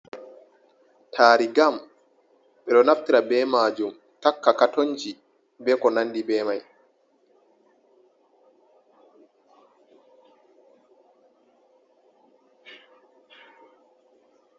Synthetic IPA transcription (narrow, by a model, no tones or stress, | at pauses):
tʰaːɾiɡam | ɓɛɗɔnaftiɾabɛːmaːd͡ʒum | takːakatoɲd͡ʒi | bɛkɔnanːdibɛːmaj